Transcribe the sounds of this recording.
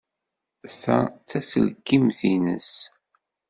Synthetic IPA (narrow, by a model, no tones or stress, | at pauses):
θæ̰t͡sːæsə̰lkːimθinə̰s